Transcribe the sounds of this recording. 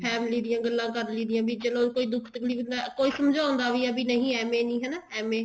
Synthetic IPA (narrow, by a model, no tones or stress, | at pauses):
pʰɛːmɪliːd̪ijãːɡəlːãːkəɾliːd̪ɪjãːbiːd͡ʒəlõːkoːiːd̪ʊkʰt̪əkʰliːbnd̪aːkoːiːsəmd͡ʒaːʊ̃nd̪aːʋiːɛːbiːnəɦĩːɛːmẽːnĩːɦɛːnaːɛːmeː